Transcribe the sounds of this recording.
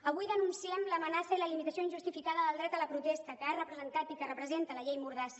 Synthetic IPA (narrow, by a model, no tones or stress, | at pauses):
əβ̞ujðənunsiɛmləmənasəiləlimit̪əsioinʒust̪ifikaðəðəlˠd̪ɾɛt̪ələpɾut̪ɛst̪əkəarəpɾəzənt̪at̪ikərəpɾəzent̪ələʎejmuɾðas